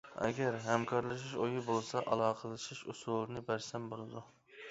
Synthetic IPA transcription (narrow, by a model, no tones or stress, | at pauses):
ɛ̰ɡʲɛɾɦɛmkʰɑɾlˠɨʃ̬iʃojubolˠsɑʔɑlˠɑːqʰəlˠɨʃiʃusulˠnɨbæɾsɛmbolˠɨd̪u